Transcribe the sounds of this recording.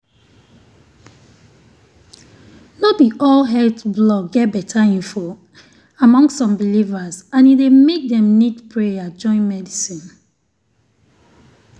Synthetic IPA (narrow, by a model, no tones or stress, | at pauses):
nɔtbiʔɔlɦɛltblɔkɡɛt̚bɛtʰaĩɱfo | amɔ̃ŋstːsɔ̃mbilivazãnidemek̚dɛ̃mnidpʰɹead͡ʒɔ̃ɪ̃nmɛdisĩn